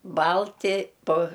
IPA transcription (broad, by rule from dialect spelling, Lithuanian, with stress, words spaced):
ˈbɐlʲtʲɪ poː